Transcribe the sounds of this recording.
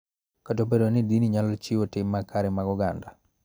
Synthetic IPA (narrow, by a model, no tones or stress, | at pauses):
katobedonɪdiniɲalɔt͡ʃɪwotɪmːakaɾɛmaɡʊɡa̰nda